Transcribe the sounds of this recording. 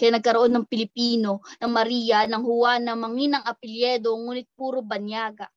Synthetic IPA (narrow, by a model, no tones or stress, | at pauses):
kɐjaːnɐɡ̚kɐɾoʔo̞nːɐŋpɪlɪpiːno̞nɐŋmɐɾiːjɐnɐŋhʊwanːɐmɐŋinɐŋʔɐpɪljɛd̪o̞ŋuːnɪt̪̚puːɾobɐnjaːɡɐ